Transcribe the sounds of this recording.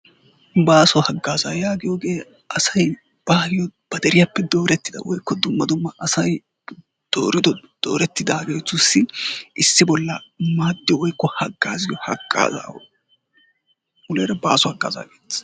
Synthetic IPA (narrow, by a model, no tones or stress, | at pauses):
baːsɔhɐɡːaːzaːjaːɡɪjoːɡe̞ː | ɐsɐj | b̥aːhɪjɔb̥ɐd̪ɛɾɪjɐpːɛd̪oːɾɛt̪ːɪd̪ɐ̰wɔjkːɔd̪ʊmːɐd̪ʊmːɐʔɐsɐj | d̪̥oːɾɪd̪ɔd̪̥o̞̰ːɾɛt̪ːɪd̪aːɡeːt̪ːʊsːɪʔɪsːɪbɔlːɐmaːd̪ːɪɔwɔjkːɔhɐɡːaːzɪjɔhɐ̰ɡːa̰ːza̰ː | ʊleɾɐba̰ːsɔhɐɡːa̰ːza̰ːɡeːt̪ː